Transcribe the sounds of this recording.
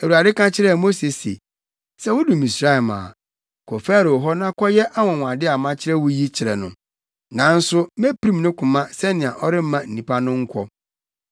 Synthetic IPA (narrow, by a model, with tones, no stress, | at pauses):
æ˨wu˨a˨dɪ˦kã˦t͡ɕʰɪ˦ɾɛ˦˨mo˦se˨sḛ˨ | sɛ˦wʊ˦dũ˨mĩ˨sɾa˦ɛ˨mã̰ː˨ | kʰɔ˨fæː˦˨ɾɪ˨ɔ˨ɦɔ˦nã˦kʰɔ˦jɛ˦ʔa˦wɔ̃˨w̃a˨dɪ˦a˨mã˦t͡ɕʰɪ˦ɾɛ˦wʊ˦ji˦t͡ɕʰɪ˨ɾɛ˨nʊ̃˨ | nã˨˦n̩˦sʊ˦mɛ˦pʰi˦ɾĩ˦m˦nʊ̃˦kʰʊ̃˨mã˦sɛ˦nɪ̃˨a˨ʔɔ˦ɾɪ˦m̩˦mã˦n̩˨nĩ˨pʰa˦nʊ̃˦ŋ̩˦kʷʰɔ˦